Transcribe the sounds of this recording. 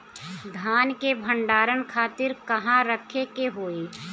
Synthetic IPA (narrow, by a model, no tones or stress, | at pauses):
d̪ʱaːnkebʱə̃ɳɖaːɾənkʰaːt̪ɪɾkɐɦãɾəkʰekeɦoːeː